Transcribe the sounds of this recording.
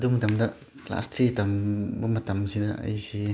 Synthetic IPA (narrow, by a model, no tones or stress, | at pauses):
dumɐtamdɐ | la̰stʰɾitambumɐtamsidaa̰jsi